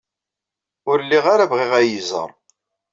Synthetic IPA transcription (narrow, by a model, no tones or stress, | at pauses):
ʊɾəlːiʁaɾavʁɪʁæjizə̰ɾˤ